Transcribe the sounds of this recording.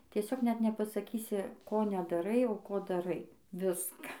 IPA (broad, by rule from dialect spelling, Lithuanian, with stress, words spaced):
tʲiɛˈsʲoːk nʲɛt nʲɛpɐsɐˈkʲiːsʲɪ ˈkoː nʲɛdɐˈrɐɪ oː ˈkoː dɐˈrɐɪ ˈʋʲɪskɐ